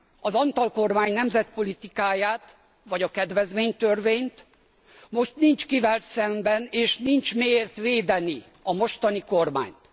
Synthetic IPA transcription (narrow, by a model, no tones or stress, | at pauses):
ɒzɒnt̪ɒlko̞rmaːɲnɛmzɛt̪po̞lit̪ikaːjaːt̪ | ʋɒɟɒkɛd̪ʋɛzmeːɲt̪ørveːɲt̪ | mo̞ʃt̪nint͡ʃkivɛlsɛmbɛneːʃnint͡ʃmeːjeːrt̪ʋeːd̪ɛni | ɒmo̞ʃt̪ɒniko̞rma̰ːɲt̪